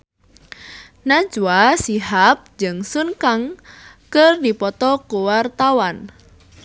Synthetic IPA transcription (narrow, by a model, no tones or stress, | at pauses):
nḁd͡ʒuasiɦap̚d͡ʒɨŋsunkaŋ | kərdipɔt̪ɔkuwart̪awan